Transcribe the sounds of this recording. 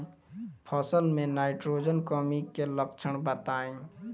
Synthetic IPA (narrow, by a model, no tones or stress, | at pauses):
pʰɔsəlmẽnaːɪʈɾoːd͡ʒənkɔːmikeləkt͡ʃʰəɽ̃bət̪aːẽː